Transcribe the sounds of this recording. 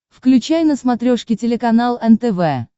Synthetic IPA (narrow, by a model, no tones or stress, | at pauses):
fklʲʉt͡ɕæjnəsmɐt̪ɾʲoʂkʲɪtʲɪlʲɪkɐnalˠɛnt̪ɛvɛ